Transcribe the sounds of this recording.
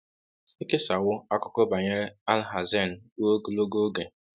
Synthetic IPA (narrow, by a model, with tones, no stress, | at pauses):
i˦ke˦sa˨wʊ˦a˦kʊ˦kɔ˦ba˨ɲe˦ɾa˦lɦa˨ze˦˨n̩˨˦o˦ɡu˨lo˦ɡo˦ɡe˨